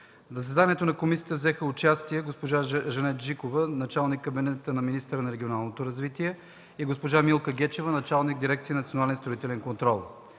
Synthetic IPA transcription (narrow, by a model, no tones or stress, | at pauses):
zəs̬ɛd̪aniɛt̪onɐkomisijə̥t̪əvzɛxəʊt͡ʃast̪iɛɡospoʒaʒɐnɛt̪ʒikovənɐt͡ʃalˠnikːɐbinɛt̪ənɐminist̪əɾənɐɾɛɡʲionalˠnot̪oɾɐzvit̪iɛ | iɡospoʒamilˠkəɡʲɛt͡ʃɛvənɐt͡ʃalˠniɡ̚d̪iɾɛkt̪inɐt̪sionalɛnst̪ɾoit̪ɛlɛnkont̪ɾɔlˠ